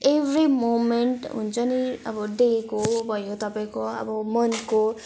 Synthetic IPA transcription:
ebɾimomenʈɦṵnt͡ʃʌniʌ̰bɔɖekobʱʌjot̪ʌpaj̃koa̰bɔmʌnko

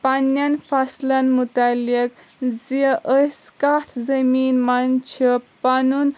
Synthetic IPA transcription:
panːɐnfɐslɐnmut̪alik | ziʔəskat̪ʰzəminmant͡ʃʰipanun

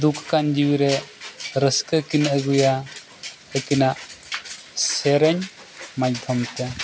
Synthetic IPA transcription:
d̪ukʰkand͡ʒiwiɾeɾəskəkinəɡuja | əkinaʔ | seɾeɲ | majt̪ʰɔmt̪e

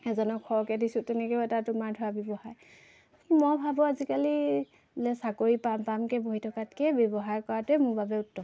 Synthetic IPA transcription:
ɛzɔnɔkʰːɔɹkɛdisʊtɛnɛkɛɛtatʊmaɹdʱɔɹabjɔbɔhaj | mɔbʱabɔazikali | lɛsakoɹipampamkɛboɦitʰɔkat̚kɛbɔbɔɦaɹkɔɹatɛmʊbʱabɛʊtːɔ

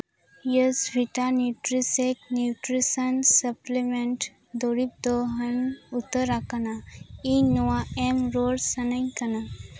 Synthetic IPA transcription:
jəsʋiʈanjuʈɾisek̚njuʈɾisənsəplemẽɳʈ | d̪oɽip̚d̪oɦənut̪əɾakanainuaemɾoɽsənəɲkəna

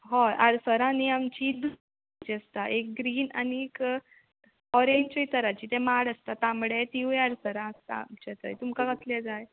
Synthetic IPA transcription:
ɦoʔaɾsəɾãniamt͡ɕid̪ | t͡ɕiəst̪aʔek̚ɡɾiːna̰niek | ɔɾeɲt͡ɕəjt̪əɾat͡ɕiːt̪ɛmaɽəst̪at̪ãmɽet̪iũaɾsəɾãst̪a̰mt͡ɕet̪ə̰jt̪umkakət̪led͡zaj

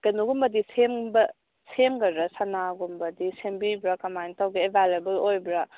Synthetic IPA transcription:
ɡɐnuɡumbɐdisembɐ | semɡɐɾɾɐsɐnaɡumbɐdisembibɾakɐmajntawɡiebʱalebɐlojbɾa

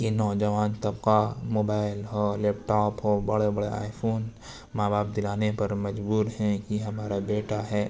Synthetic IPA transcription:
kinɔːd͡ʒɐʋaːnt̪ɐbqamoːbaːɪlɦolɛːpʈɔːpɦobɐɽebɐɽea̰ːɪfʰoːn | maːbaːp̚d̪ɪlaːnepɐɾmɐd͡ʒbuːɾɦɛ̃kiɦɐmaːɾabeːʈaɦɛː

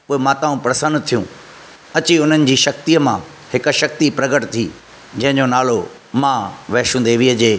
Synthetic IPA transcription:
ʊɦemãːt̪aːũpɾɐsə̃nd̪t̪ʰijũ | ɐt͡ɕiʊn̤ənɪ̆d͡ʑiːʃɐk̚t̪iːəmã | hɪk̆ʃɐk̚t̪ipɾɐɡəʈt̪ʰiː | d͡ʑɐ̃ɦɪ̃ɲd͡ʑonaːlo | mãʋɐːʃũːn̆d̪eʋiːəd͡ʑeː

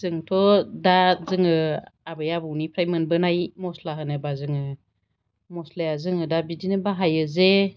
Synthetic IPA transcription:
zɯŋtʰɔdazɯŋɯabɯjabɯwnipʰɾajmɯnbɯnajmɔslaɦɯnɯbazɯŋɯ | mɔslajazɯŋɯdabidinɯbaɦajɯze

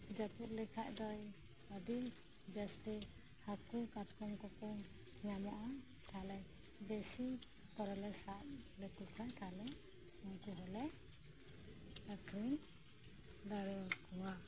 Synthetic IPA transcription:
d͡ʒapuʔlɛkʰaʔd̪ɔj | ɔd̪i | d͡ʒɛst̪i | hakukat̪kɔŋkɔpɔŋ | ɲamɔʔa | t̪ʰalɛ | besi | pɔɾɔlɛsaʔ̚lɛkukʰajt̪ʰalɛ | uŋkuɦɔlɛ | akʰɾiŋ | d̪aɾɔkɔwa

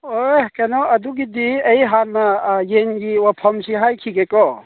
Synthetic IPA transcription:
okɛnɔɐd̪uɡid̪iejɦaɾmajenɡiwapʰɔmsiɦajkʰiɡekɔ

